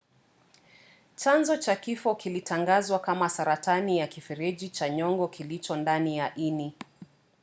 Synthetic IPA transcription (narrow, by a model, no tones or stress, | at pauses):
t͡ʃanzɔt͡ʃakifɔkilitʰaŋɡazwakamasaɾatanijakifɛɾɛd͡ʒit͡ʃaɲɔŋɡɔkilit͡ʃɔndanijaʔini